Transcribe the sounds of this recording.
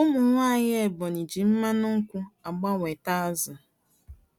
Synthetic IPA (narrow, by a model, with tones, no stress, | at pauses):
ʊ˦mʊ˨ŋʷa˦˨ɲɪ˦e˨bɔ˨ni˨d͡ʒi˨m̩˦ma˦nʊ˦ŋ̩˦kʷʊ˦a˨ɡ͡ba˦wʷe˨ta˦a˦zʊ˨